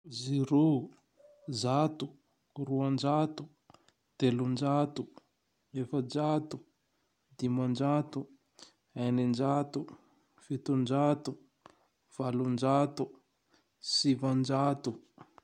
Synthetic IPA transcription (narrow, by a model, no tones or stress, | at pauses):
ziɾo | zat̪u | ruand͡ʒat̪u | d̪̥elund͡ʒat̪u | efəd͡ʒat̪u | d̪̥imand͡ʒat̪u | ajnind͡ʒat̪u | fet̪und͡ʒat̪u | v̥alund͡ʒat̪u | sivand͡ʒat̪u